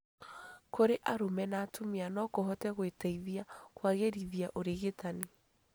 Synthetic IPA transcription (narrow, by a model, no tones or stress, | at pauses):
kʰoɾeʔaɾomɛnaːtʰomeanɔkoɦɔtɛɣwetaiðiakwaɣeɾiðiaʔoɾeɣetane